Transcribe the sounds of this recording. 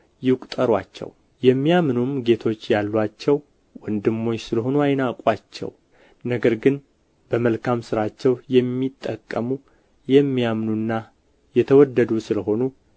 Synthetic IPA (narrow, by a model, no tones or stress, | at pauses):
jɪwkʷʼt̪ʼəɾwa̰t͡ʃːɛ̰w | jɛmːijamnumɡe̞t̪ʰo̞t͡ʃːjalːwat͡ʃːɛw | wɔnd̪ɨmːo̞ɲːsɨləɦo̞nuajnakʼwat͡ʃːɛ̰w | nəɡəɾɡɨn | b̥əməlkʰamsɨɾat͡ʃːɛwjɛmːit̪ʼːəkʼːəmu | jɛmːijamnunːa | jɛt̪ʰəwɔd̪ːəd̪usɨləɦo̞nu